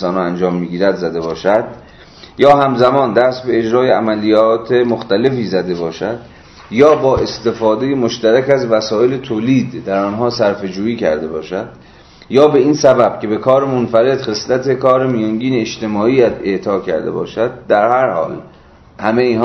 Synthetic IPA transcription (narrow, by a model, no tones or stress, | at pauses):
sɒːnɑænd͡ʒɒːmːiːɡiːɾæd̪zæd̪e̞bɒːʃæd̪ | jɒːhæmzæmɒːnd̪æst̪be̞ed͡ʒɾɒːjeæmælijɒːt̪ʰe̞moxt̪æle̞fiːzæd̪e̞bɒːʃæd̪ | jɒːbɒːʔe̞st̪e̞fɒːd̪e̞jemoʃt̪æɾækæzvæsɒːe̞let̪ʰoːliːd̪ːæɾɒːnɦɒːsæɾfe̞d͡ʒuːiːcʰæ̰ɾd̪e̞bɒːʃæd̪̥ | jɒːbe̞iːnsæbæb̥cʲʰebe̞kʰɒːɾemonfæɾe̞d̪̥χe̞slæt̪ʰe̞kʰɒːɾemijæŋɟiːneːʃt̪e̞mɒːiːæd̪e̞ʔt̪ʰɒːcʰæ̰ɾd̪e̞̰bɒ̰ːʃæd̪̚ːæɾhæɾhɒ̰ːl | hæmeiːnɦ